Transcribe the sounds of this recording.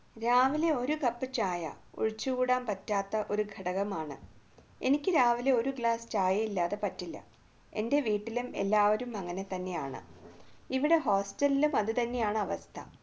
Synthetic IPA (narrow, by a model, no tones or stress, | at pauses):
ɾaːʋile̞o̞ɾukɐpːɨt͡ɕaːjɐ̰ṵɻit͡ɕːukuːɽaːmpɐtːaːt̪ːɐʔo̞ɾuɡʱɐɽɐɣɐmaːɳɨ̰ | e̞̰nikʲːɨɾaːʋile̞o̞ɾuɡɭaːsɨ̥t͡ɕaːjɐilːaːðe̞pɐtːilːɐ̰ | e̞̰nde̞ʋiːʈːilume̞̰lːaːʋɐɾumɐŋːɐne̞t̪ɐnːe̞ja̰ːɳɨ̰iʋiɽe̞ɦo̞ːsʈɐlːilumɐðɨt̪ɐnːe̞jaːɳɨɐʋɐst̪ʰɐ̰